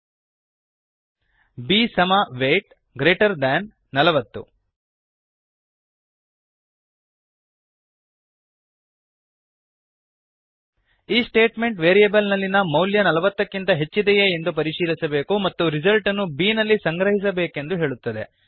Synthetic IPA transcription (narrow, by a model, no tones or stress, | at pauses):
biːsɐmɐʋeːʈ̚ | ɡɾe̞ːʈɐɾd̪ɐnː | ɐlɐʋɐt̪ːṵ | iːsʈe̞ːʈme̞ɳʈʋeːɾijɐbɐlnɐlːinɐmɐwljɐnɐlɐʋɐt̪ːɐkːint̪ɐɦe̞t͡ʃːid̪ɛjeːnd̪up̬ɐɾiʂiːlisɐbe̞ːkumɐt̪ːuɾizɐlʈɐnːubiːnɐlːisɐŋɡɾɐɦis̬ɐbe̞ːke̞nd̪uɦe̞ːɭut̪ːɐd̪e̞̰